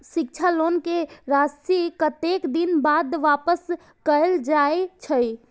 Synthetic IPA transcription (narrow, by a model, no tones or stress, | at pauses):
sikt͡ʃʰalonkeɾasikət̪ekd̪inbad̪ʋapəs | kəld͡ʒaet͡ʃʰəj